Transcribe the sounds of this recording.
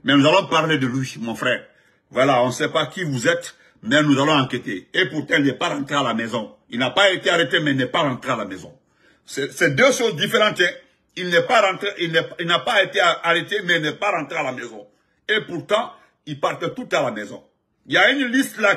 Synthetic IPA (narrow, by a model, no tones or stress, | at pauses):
mɛnuzalɔ̃paʁled̪əlɥimɔ̃fɾɛːʁ | vwalaɔ̃sɛpakivuzɛt̪ | mɛnuzalɔ̃ãket̪eepuɾt̪ɑ̃ilnɛpaɾɑ̃t̪ʁealamɛzɔ̃ilnapaet̪eaɾet̪emɛilnɛpaɾɑ̃t̪ʁealamɛzɔ̰̃ | sɛsɛd̪øʃozd̪ifeʁɑ̃t̪ɛ | ilnɛpaɾɑ̃t̪eʔilnɛilnapaet̪eaɾet̪emɛilnɛpaɾɑ̃t̪ʁealamɛzɔ̃ | epuɾt̪ɑ̃ | ilpaʁt̪ɛt̪ut̪alamɛzɔ̰̃ | iljaynlist̪la